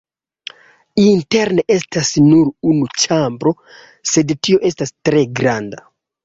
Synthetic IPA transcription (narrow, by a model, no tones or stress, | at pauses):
inte̞ɾneʔe̞stasnuɾunut͡ʃambɾo̞ | se̞dtio̞ʔe̞stastɾe̞ɡɾanda